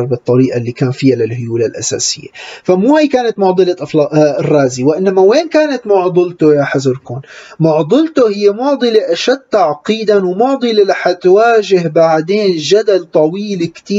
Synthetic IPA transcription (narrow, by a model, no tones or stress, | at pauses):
ɾˤbɨt̪ˤːɑɾiːʔalːikaːnfɪjːalɪlhʊjuːlalʔa̰sa̰ːsɪjːḛfamuːhajkaːnat̪mʊʕd̪ˤɨlɑʔɑfɑʔrˤːɑːziwɪʔɪnːamaweːnkaːnat̪mʊʕd̪ˤɨlt̪ʊjaːħazʊɾkuːnmʊʕd̪ˤɨlt̪ohɪjːemʊʕd̪ˤɨleʔaʃad̪̚t̪aʕqiːd̪anwmʊʕd̪ˤɨlɪlaħat̪waːʒɪɦbaʕd̪eːnʒad̪alt̪ˤɑwiːlkt̪iː